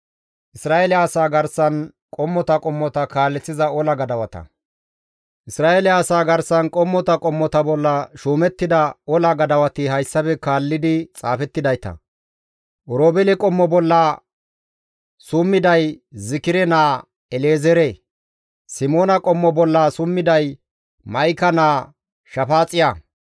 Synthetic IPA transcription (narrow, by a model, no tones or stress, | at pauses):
ʔɪsɾaːelɪaːsaːɡɐɾsɐn | kʼɔmːɔt̪ɐkʼɔmːɔt̪ɐkaːlːɛt͡sːɪzɐɔlɐɡɐd̪ɐwɐt̪ɐ̰ | ʔɪsɾaːʔelɪaːsaːɡɐɾsɐnkʼɔmːɔt̪ɐkʼɔmːɔt̪ɐbɔlːɐʃuːmɛt̪ːɪd̪ɐɔlɐɡɐd̪ɐwɐt̪ɪɦɐjsːɐbɛkaːlːɪd̪ɪt͡sʼa̰ːfɛt̪ːɪd̪ɐjt̪ɐ̰ | ʔɔɾoːbɛlɛkʼɔmːɔbɔlːɐ | sʊmːɪd̪ɐjzɪkɪɾɛnaː | ɛleːzɛɾɛ | sɪmoːnɐkʼɔmːɔbɔlːɐsʊmːɪd̪ɐj | mɐjkɐnaː | ʃɐfaːt͡sʼɪja